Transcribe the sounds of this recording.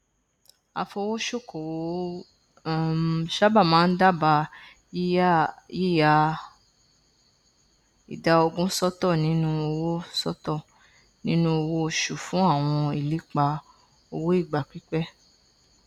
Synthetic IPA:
a̰˧fɔ˧wo˦ʃo˦˨ko˨wo˨o˨˦˨ | ʃa˦ba˦˨mãː˨˦n̩˦da˦˨ba˧˦ | ji˦ja˧ | ḭ˨da˨˦o˧ɡũ˦sɔ˦tɔ˦˨nĩ˨˦nũ˦o˧wo˦sɔ˦tɔ˦˨ | nĩ˦nũ˦o˧wo˦o˧ʃu˨fũ˨˦a˦˨w̃ɔ̃˧i˨li˨˦k͡pa˧ | o˧wo˦i˦˨ɡ͡ba˨k͡pi˦k͡pɛ˦

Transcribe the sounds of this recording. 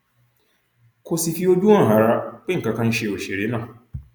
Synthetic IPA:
kʰo˨si˨fi˦o˦du˦ã˦ŋ̩˨ɦa˨ɾa˦k͡pe˦ŋ̩˨ka˨˦kã˦n̩˦ʃe˨o˨ʃe˨ɾe˨˦nã˦˨

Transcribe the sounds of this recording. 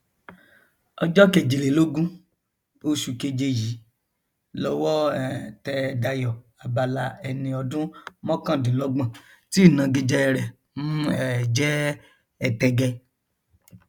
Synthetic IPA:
ɔ˧d͡ʒɔ˦ke˧˨d͡ʒe˨le˨lo˦ɡũ˦ | o˦ʃu˧ke˧d͡ʒe˧ji˨˦ | lɔ˧wɔ˦ɛ˨tɛ˧da˧jɔ˨ | a˨ba˧la˧ɛ˧nĩ˧ɔ˧dũ˦mɔ̃˦kã˦˨dĩ˨lɔ˨˦ɡ͡bã˦˨ | ti˦˨nã˨˧ɡi˧d͡ʒɛ˦ɛ˧ɾɛ˨ | nũ˦ɛ˨d͡ʒɛ˦ | ɛ˧tɛ˧ɡɛ˧

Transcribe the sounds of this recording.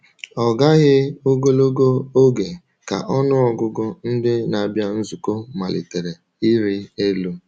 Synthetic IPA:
ɔ˨ɡa˦ɣɪ˦o˦ɡo˦lo˦ɡo˦o˦ɡe˨ | ka̰˨ʔɔ˦nʊ˦ɔ˨ɡʊ˦ɡʊ˦n̩˦dɪ˦na˨bja˦n̩˦zu˨ko˦ma˨lḭ˨te˨ɾe˨ | i˦ɾi˦e˦lu˦

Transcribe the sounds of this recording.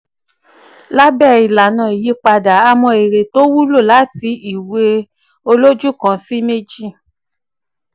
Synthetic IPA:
la˦bɛ˦˨i˨la˨nã˨i˨ji˨˦k͡pa˧da˨a˧mɔ̃˧e˨ɾe˨to˦wu˦lo˦˨la˨˦ti˧i˨we˧ | o˧lo˦d͡ʒu˦kã˧˦si˦me˦d͡ʒi˦˨

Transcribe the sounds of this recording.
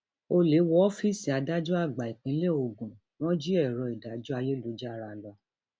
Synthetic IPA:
o˧le˨˦wɔ˦ɔ˦fi˦si˨a˨˧da˦d͡ʒu˦a˦˨ɡ͡ba˨i˨k͡pĩ˨˦le˦˨o˨ɡũ˨ | nɔ̃˦d͡ʒi˦ɛ˦˨ɾɔ˧i˨da˨˦d͡ʒu˦a˧je˦lo˨˦d͡ʒa˦˨ɾa˧lɔ˧˦

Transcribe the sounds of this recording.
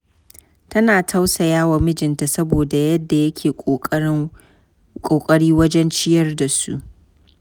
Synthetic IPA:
tɐ˦naː˨tʰa˦wsa˨jaː˦wa˨mɪ˦d͡ʒɪ˨nta˨sɐ˦boː˨da˨jɐ˦dːa˨jɐ˦kʲʰeː˨ | kʼoː˨kʼɐ˦ɽiː˦wɐ˦d͡ʒɛ˦nt͡ʃɪ˦jɐ˦rda˨sṵ˦ʔ

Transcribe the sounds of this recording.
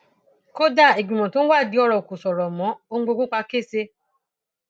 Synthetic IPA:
ko˦da˦˨e˨ɡ͡bĩ˨mɔ̃˨to˨˦n̩˦wa˦˨di˨˦ɔ˧ɾɔ˨o˨ku˨sɔ˨ɾɔ˨mɔ̃˨˦o˧ŋ̩˦ɡ͡bo˧ɡ͡bũ˦k͡pa˧ke˦˨se˧

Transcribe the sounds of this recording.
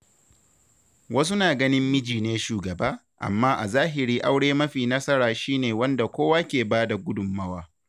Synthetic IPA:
wɐ˦s̬u˦naː˨ɡɐ˦nɪ˦mːɪ˦d͡ʒiː˨neː˦ʃuː˨ɡɐ˨baː˦ | ʔa̰˨mːaː˦ʔa̰˨zaː˦ɦɪ˨ɾiː˦ʔa˦wɽeː˦mɐ˦ɸiː˨nɐ˦sɐ˦ɾaː˨ʃiː˦neː˨wɐ˦nda˨kʷoː˦waː˦kʲeː˨baː˦da˨ɡʷʊ˦dʊ˨mːɐ˦waː˦

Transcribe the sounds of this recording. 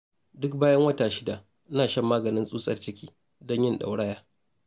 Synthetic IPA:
dʊ˦k̚baː˦jɐ˦ŋwɐ˦taː˨ʃɪ˦da˨ | ʔnaː˨ʃɐ˦mːaː˦ɡɐ˨nɪ˦nsʼuː˦sʼɐ̰˦˨rt͡ʃɪ˦kʲiː˦ | dɔ˦ɲjɪ˦nɗa̰˨wɽɐ˦jaː˦

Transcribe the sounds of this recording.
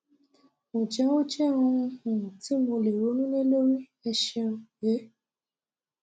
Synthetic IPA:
mõ˨d͡ʒɛ˨˦w̃ɔ̃˦t͡ʃɛ˦˨ɔ̃˧ũ˧hũ˨ti˨˦mo˧le˨ɾo˨˦nũ˦nẽ˦lo˦ɾi˦ | ɛ˧ʃɛ̃˧je˨˦

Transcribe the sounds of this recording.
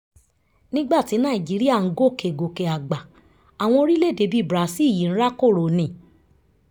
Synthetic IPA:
nĩ˦ɡ͡ba˦˨ti˨˦nã˦˨i˨d͡ʒi˨˦ɾi˦a˦˨ŋ̩˦ɡo˦˨kʰe˨ɡo˨ke˨a˨ɡ͡ba˨ | a˨w̃ɔ̃˧o˧ɾi˦le˦˨de˧˦bi˦˨bɾa˨˦si˦˨ji˨n̩˦ɾa˦ko˦˨ɾo˨nĩ˨

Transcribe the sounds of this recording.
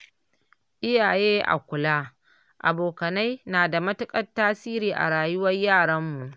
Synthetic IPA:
ʔɪ˦jaː˨jeː˦ʔa̰˨kʷʊ˨laː˦ | ʔa̰˨boː˨kɐ˨na˦jnaː˨da˨mɐ˦tʊ˦kʼɐ˦tːaː˦siː˦ɾiː˨ʔa̰˨ɽaː˨jʊ˦wɐ˦jjaː˦˨ɽɐ˦mːu˨ʔ

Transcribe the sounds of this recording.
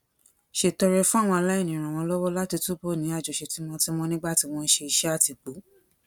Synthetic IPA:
ʃe˨tɔ˧ɾɛ˧fũ˦a˦˨w̃ɔ̃˧a˧la˦i˦˨ĩ˨ɾ̃ã˨w̃ɔ̃˧lɔ˦wɔ˦la˦ti˧tu˦bo˦˨nĩ˨˦a˦˨d͡ʒo˨ʃe˨˧ti˨˦m̃ɔ̃˧ti˦mɔ̃˧nĩ˦ɡ͡ba˦˨ti˨˧w̃ɔ̃˧n̩˦ʃe˧i˧ʃɛ˦a˦˨ti˨k͡pu˨˦

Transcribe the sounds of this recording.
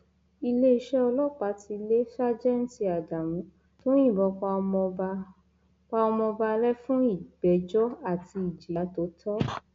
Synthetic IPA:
i˧le˦i˧ʃɛ˦ɔ˧lɔ˦˨k͡pa˨˦ti˧le˦sa˦d͡ʒɛ˦n̩˦ti˧a˨da˨mũ˨˦ | to˦j̃ĩ˦˨bɔ̃˧ | k͡pa˧ɔ˧mɔ̃˧ba˧lɛ˦fũ˦i˦˨ɡ͡bɛ˨˦d͡ʒɔ˦a˦˨ti˧i˨d͡ʒi˨a˨˦to˦tʰɔ˦

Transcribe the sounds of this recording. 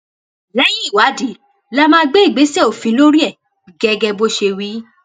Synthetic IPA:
lɛ˦ji˦˨wa˨˦di˨˦ | la˦mãː˦˧ɡ͡be˦i˦˨ɡ͡be˨˦sɛ˦˨o˨fĩ˨˧˦lo˦ɾi˦ɛ˦˨ | ɡɛ˧˦ɡɛ˧bo˦ʃe˧wi˦

